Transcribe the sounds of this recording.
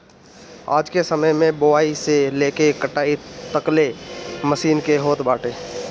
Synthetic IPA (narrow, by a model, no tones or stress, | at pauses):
a̰ːd͡ʒkesəməjmẽboaːiseleːkekəʈaːit̪əkleməsiːnkeɦoːt̪baːʈeː